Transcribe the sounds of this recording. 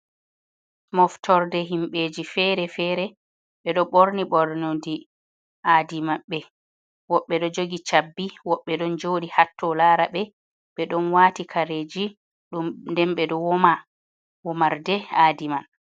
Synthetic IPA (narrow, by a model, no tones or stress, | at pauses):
mɔftɔɾdɛɦimɓeːd͡ʒifɛɾɛfɛːɾɛ | ɓɛɗɔɓoɾniɓɔɾnodi | ʔaːdimaɓɛ | wɔɓːɛɗɔd͡ʒoɡit͡ʃabːiwɔɓːɛɗɔnd͡ʒoːɗihatːɔlaːɾaɓɛ | ɓɛɗɔnwaːtikʰaɾeːd͡ʒi | ɗumndɛnɓɛɗɔwɔma | wɔmaɾdɛaːdiman